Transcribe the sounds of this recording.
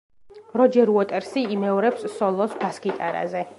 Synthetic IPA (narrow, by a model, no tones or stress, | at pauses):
ɾɔd͡ʒɛɾuɔt̪ʼɛɾsiːmɛɔɾɛpsːɔlˠɔsbaskʼit̪ʼaɾa̰zɛ